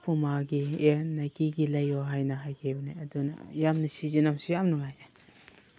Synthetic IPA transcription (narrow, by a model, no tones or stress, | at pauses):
pʰumaɡienakiɡilɐjɔɦajnaɦajkʰebniɐduna̰jamnɯsizinamsijamnɯŋaja